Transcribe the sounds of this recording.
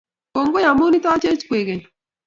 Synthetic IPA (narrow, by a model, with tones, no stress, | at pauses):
ko˨ŋɡo˦ja˨mo˦ni˦t̪a˦t͡ʃe˦t͡ʃkwe˨ɡe˨l